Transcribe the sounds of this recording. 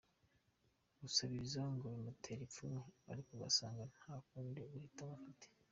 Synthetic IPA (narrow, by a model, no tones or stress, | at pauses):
ɡusaβizaŋɡoimutʰe̞ɾefonoa̰ɾikoɡa̰saːŋɡan̥haːkuːndioɡuhitaβafuti̥